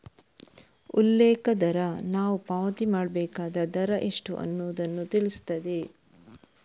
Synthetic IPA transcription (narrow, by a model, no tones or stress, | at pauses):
ulːɛːkɐd̪ɐɾɐnaːʋupaːʋɐt̪imaːɽbɛːkaːd̪ɐd̪ɐɾɐʔeʂʈṵʔɐ̰nːuːd̪ɐnːut̪iɭist̪ɐd̪e